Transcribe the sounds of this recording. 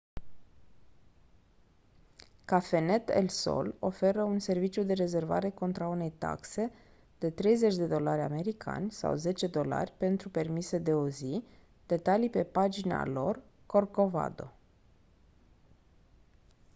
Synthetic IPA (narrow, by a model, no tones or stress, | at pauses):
kafe̞ne̞t̪ḛlso̰lo̞fe̞ɾəunse̞rvit͡ʃjud̪e̞ɾe̞ze̞rva̰ɾe̞ko̞nt̪ɾaune̞jt̪a̰kse̞ | d̪̥e̞t̪ɾe̞jze̞t͡ʃʲd̪e̞d̪o̞laɾʲa̰me̞ɾikʰa̰nʲsa̰wze̞t͡ʃe̞d̪o̞la̰rʲpe̞nt̪ɾupe̞rmise̞d̪e̞ozi | d̪̥e̞t̪alipe̞pad͡ʒina̰lo̞rko̞rko̞va̰d̪o̞̰